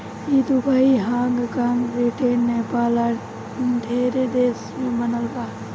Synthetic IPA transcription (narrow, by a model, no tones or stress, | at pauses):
id̪ubʱaːiɦãːŋɡkãŋɡɾiʈeːnːepaːla | nd̪ʱeːɾed̪eːsmẽbənəlbaː